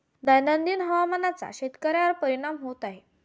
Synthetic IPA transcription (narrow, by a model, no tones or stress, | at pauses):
d̪ajnənd̪iːnɦəʋamənat͡sa̰ɕet̪kəɾjaəɾpəɾiɽ̃amɦot̪aɦe